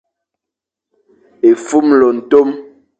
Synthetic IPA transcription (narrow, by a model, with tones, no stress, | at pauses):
e˨fu˦mlɔ˨n̩˨to˦m